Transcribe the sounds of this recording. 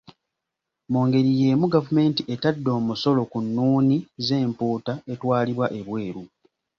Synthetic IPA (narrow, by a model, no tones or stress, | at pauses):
moːŋɡe̞ɾijeːmuɡavume̞ːntiʔe̞tadːo̞ːmuso̞lo̞kunːuːnize̞ːmpuːtae̞twaːliβwaʔe̞βwe̞ːɾu